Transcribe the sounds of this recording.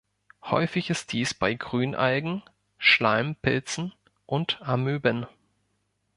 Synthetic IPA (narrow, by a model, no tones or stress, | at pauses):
hɔ̰ʏfɪçɪst̚d̥iːsb̥aɪɡʁyːnʔa̰lɡŋ̩ | ʃlaɪmpʰɪ̰lt͡sn̩ | ʔʊntamyːbən